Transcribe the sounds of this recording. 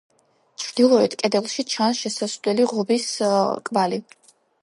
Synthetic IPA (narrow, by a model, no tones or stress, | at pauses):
t͡ʃʰɾd̪̥ilˠɔɛt̪ʰkʼɛd̪ɛlˠʃit͡ʃʰansʃɛsasʼdɛliʁɔbiskʼmali